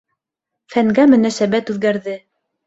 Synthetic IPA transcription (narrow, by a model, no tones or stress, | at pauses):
fæŋɡæmɵ̆næsæbæt̪ʉðɡæɾðɘ